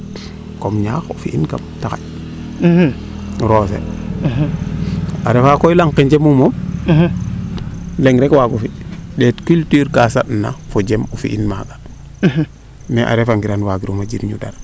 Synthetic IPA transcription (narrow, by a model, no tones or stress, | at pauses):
komɲaxṵfḭʔinka̰mtaka̰ | ɾosḛ | aɾefakojlaŋkiɲd͡ʒemumɔm | leŋɾɛkwaɡufiɗɛtkyltyːɾkasatna̰fod͡ʒemufḭʔinmaɡḁ | nɛʔa̰ɾɛfaŋɡiɾanwaɡiɾumad͡ʒiɾɲuda̰ɾ